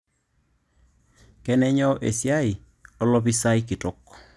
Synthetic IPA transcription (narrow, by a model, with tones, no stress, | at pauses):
kɛ˦nɛ˦ɲɔ˦ʔḛ˨sja˦i˨ | ɔ˦lɔ˦bi˦sa˦i˦kɪ˨tɔ˨kː